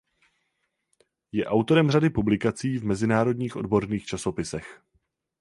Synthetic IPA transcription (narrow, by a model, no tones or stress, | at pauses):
jɛʔawt̪o̞ɾɛmr̝adɪpublɪkat͡siːvmɛzɪnaːɾo̞dɲiːxʔo̞̰dbo̞ɾniːxt͡ʃaso̞pɪsɛx